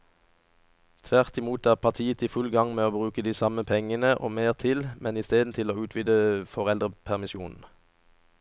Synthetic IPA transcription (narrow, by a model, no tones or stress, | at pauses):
t̪ʰʋæʁt̪ɪmuːt̪æːʁpʰɑʁt̪ʰiːət̪ʰiːfʉlɡɑŋmeːoːbʁʉːkəd̪iːsɑməpʰɛŋənəʔo̰ːmeːʁt̪ʰɪlmɛniːst̪eːd̪n̩t̪ʰɪloːʉːt̪ʰʋid̪əfɔʁɛld̪ʁəpʰæʁmɪsjuːnn̩